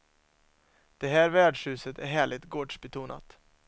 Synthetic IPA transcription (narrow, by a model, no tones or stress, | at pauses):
d̪̥ɛɦæːɾvæːɖʂhʉ̟ːsət̪ʰæɾɦæːɭɪɡ̚t̪ɡoːɖʂbɛt̪ʰuːna̰t̪